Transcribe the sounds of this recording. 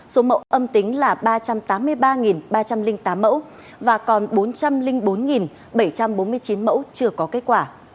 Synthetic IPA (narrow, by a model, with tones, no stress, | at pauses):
so˨˦mə̰˧˥wʔə˧mt̪ï˨˦ŋ̟laː˨˩ɓaː˧t͡ɕa˧mt̪aː˨˦mːɨ˧əjɓaː˧ŋi˨˩nɓaː˧t͡ɕa˧mlï˧ŋ̟t̪aː˨˦mːə̰˧˥w | vaː˨˩kɔ˨˩nɓo˨˦nt͡ɕa˧mlï˧ŋɓo˨˦nŋi˨˩n | ɓə˧˩jt͡ɕa˧mɓo˨˦nmɨ˧əjt͡ɕi˨˦nmə̰˧˥wt͡ɕɨ˧əkɔ˨˦ke˦˥t̚kwaː˧˩